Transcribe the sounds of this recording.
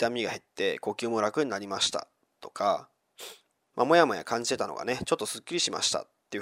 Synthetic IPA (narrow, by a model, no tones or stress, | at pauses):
t̪amʲiɡahe̞t̪ːe̞ko̞kʲɨːmoɾakɯ̟ɲ̟inaɾʲimaɕi̥t̪a̰ | t̪o̞kʰa | mʔamo̞jamo̞ja̰kãɲ̟d͡ʑi̥t̪e̞t̪ano̞̰ɡa̰ne̞t͡ɕo̞t̪ːo̞sɨkʲːiɾʲiɕima̰ɕi̥t̪a̰t̪ːe̞ɯ̟